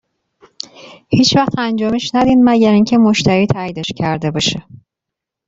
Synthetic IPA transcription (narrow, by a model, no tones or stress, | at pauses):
hiːt͡ʃʰvæxt̪ʰænd͡ʒɒːmeʃnæd̪iːnmæɟæɾiŋɲcʰemo̞ʃt̪ʰæɾiːt̪ʰæjid̪eʃcʰæɾd̪e̞bɒːʃe